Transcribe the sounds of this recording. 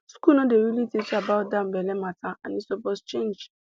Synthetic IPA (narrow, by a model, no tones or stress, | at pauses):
skunɔdeɾilitit͡ʃaabaʊt̚dãmbɛlɛmataãnisobɔst͡ʃẽnd͡ʒ